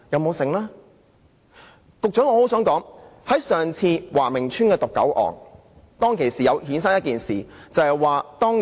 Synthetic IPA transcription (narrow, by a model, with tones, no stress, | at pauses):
jɐ˨˧wmo˨˧wsɪ˨˩ŋlaː˥ | kʊ˨k̚t͡ʃœː˨˥ŋɔː˧ho˨˥wsœː˨˥ŋkɔː˨˥ŋhɐ˨˥jsœː˨˩ŋt͡sʰiː˧waː˨˩mɪ˨˩ŋt͡ʃʰyː˥nkɛː˧t̪ʊ˨kːɐ̰˨˥wʔɔ̰ː˨ŋ | t̪ɔː˥ŋkʰe˨˩jsiː˨jɐ˨˧whiː˨˥nsa˥ŋjɐ˥t̚kiː˨nsiː˨t͡sɐ˨hɐ˨jwaː˨t̪ɔː˥ŋ